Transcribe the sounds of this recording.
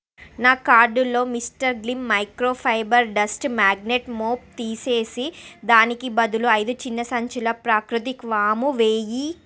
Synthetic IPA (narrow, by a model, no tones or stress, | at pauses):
naːkaːɾɖulo̞ːmisʈɐɾɡlimːɐjkɾoːpʰɐjbɐɾɖɐsʈmaːɡneʈmoːp̚t̪iːse̞ːsid̪aːnikibɐd̪uluɐjd̪ut͡ʃinːɐsɐɲt͡ʃulɐpɾaːkɾut̪ikʋaːmuʋeːji